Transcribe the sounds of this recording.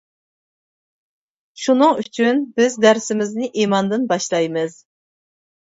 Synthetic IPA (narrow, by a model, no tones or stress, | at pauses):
ʃunɨŋyt͡ʃʰynbɪzd̪æɾsɪmɪznɪʔimɑnd̪ɨnbɑʃlˠɑjmɨz̥